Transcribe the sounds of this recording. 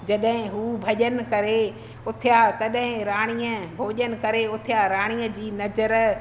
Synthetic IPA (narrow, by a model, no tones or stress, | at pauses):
d͡ʑɐɗɦɪ̃ɦuːbʱɐʄən̆kɐɾe | ʊt̪ʰjat̪ɐɗɦɪ̃ɾaːɽ̃iːəbʱoːʄənɪ̆kɐɾeʊt̪ʰɪjaɾaːɽ̃iːə̃d͡ʑiːnɐzəɾ